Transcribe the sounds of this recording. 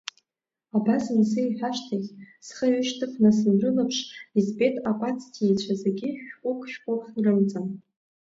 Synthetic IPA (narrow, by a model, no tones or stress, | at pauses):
abasɨnsɨiħᶣaʃtʰazʲsχəɥʏʃtʰɨχʰnasɨnrɨlɨpʰʂizbe̞tʼapʼat͡sʰʼtʰiet͡ɕʷʰazeɡʲɪʃᶣʼʊkʷʰʼʃᶣqʷʼʊrχrɨmt͡sʼɨm